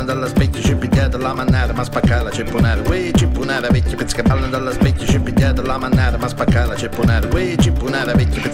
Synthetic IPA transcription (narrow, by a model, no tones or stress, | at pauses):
nd̪alːaspɛcːət͡ʃepːiɟ̪ʲjaːt̪alamanːaːɾəmaspakːaːlat͡ʃepːunaːɾəwet͡ʃːipːunaːɾavɛcːə̥pɪt̪skabalːand̪alːaspɛcːət͡ʃepːiɟ̪ʲjaːt̪alamanːaːɾəmaspakːaːlat͡ʃepːunaːɾkwet͡ʃːɪpːunaːɾavɛcːəpe